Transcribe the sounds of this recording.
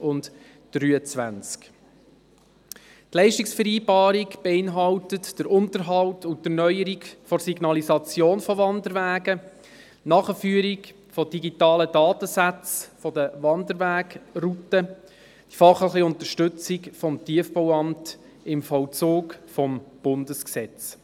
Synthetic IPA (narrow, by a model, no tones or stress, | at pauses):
ʊnt | d̥ɾyːət͡sʋæ̰nt͡sk | tlɛɪʃtiksfəɾiːbɑːɾikb̥eɪnɦɑwtətd̥əɾʊntəɾɦɑltʊntənœʏəɾikfɔsiɡnɑlisɑt͡sjoːnfɔvɑndəɾʋæːɡə | nɑːχəfyːɾik | fɔd̥iɡitɑːlədɑːtəsæt͡sfɔdəʋɑndəɾʋæːɡrutə | d̥ifɑχlɪχiʊnt̪əʃtɵt͡sikfɔmtiəfpɔwɑmt | ɪmfɔwt͡suːkfɔmb̥ʊndəsksɛt͡s